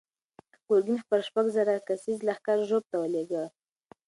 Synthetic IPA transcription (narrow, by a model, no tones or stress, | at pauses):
ɡ̥oɾɡinxpəɾʃpaɡzaɾakasizlaxkaɾʒob̚t̪awəleɡə